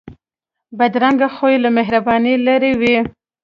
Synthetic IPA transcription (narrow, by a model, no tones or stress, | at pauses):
bad̪ɾaŋɡaxojelameɦɾabɑnilaɾewi